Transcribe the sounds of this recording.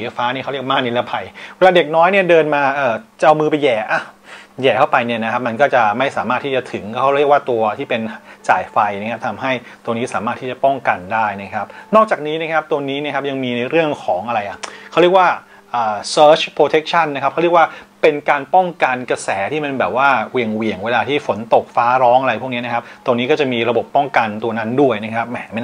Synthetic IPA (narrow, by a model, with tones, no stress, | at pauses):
i˩a˧jfaː˦˥ni˥˩kʰa˥˦ɾi˥˩k̚maː˥˩ni˦˥la˦˥˩pʰa˧jwe˧˥laː˧de˨˩k̚nɔː˦˥jni˥˩ədɤː˧nmaː˧ʔɤː˨˩t͡ɕa˨˩ʔa˧wmɯː˧pa˧jɛː˨˩ʔa˧˩jɛː˨˩t̪ʰa˥˩pa˧jni˥˩ɐna˦kʰa˦˥p̚ma˧nkɔː˥˩t͡ɕa˨˩ma˥˩jsaː˩˦maː˥˩t̪ʰiː˥˩t͡ɕa˨˩t̪ʰɯ˨˩˦ŋkʰa˥˩˦ɾi˥˩ək̚waː˥˩t̪u˧ɐt̪ʰiː˥˩pe˧nt͡ɕa̰ː˨˩jfa˧jna˦˥kʰa˦˥p̚t̪ʰa˧mɦa˥˩j | t̪u˧əniː˦˥sa̰ː˩˦maː˥˩t̪ʰiː˥˩t͡ɕa˨˩pɔ˥˩ŋka˧ndaː˥˩jna˦˥kʰa˦˥p̚nɔː˥˩k̚t͡ɕaː˨˩k̚niː˦˥na˦˥kʰa˦˥p̚t̪u˧əniː˦˥na˥˩kʰa˦˥p̚ja˧ŋmiː˧na˧jɾɯ˥˩əŋkʰɔː˩˦ŋʔa˧ɾa˧jʔa˨˩kʰa˥˩ɾi˥˩k̚waː˥˩ | ʔəː˨˩sɤː˦˥t͡ɕʰpʰɾoː˧t̪ʰe˦˥k̚t͡ɕʰa˥˩nːa˦˥kʰa˦˥a˥˩ɾi˥˩əkwaː˥˩pe˧nkaː˧npɔ˥˩ŋka˧nka˧sɛː˩˦t̪ʰiː˥˩pe˧nbɛː˨˩p̚waː˥˩wi˨˩əŋwi˨˩əŋweː˧laː˧t̪ʰiː˥˩fo˩˦nt̪o˨˩k̚faː˦˥ɾɔː˦˥ŋʔa˧ɾa˧jpʰu˥˩k̚ni˦˥na˦˥kʰa˦˥p̚t̪u˧niː˦˥kɔː˥˩t͡ɕa˨˩miː˧ɾa˧bo˨˩pːɔ˥˩ŋka˧nt̪u˧ɐna˦˥ndu˥˩əjna˦˥kʰa˦˥p̚mɛ˧˩ma˥˩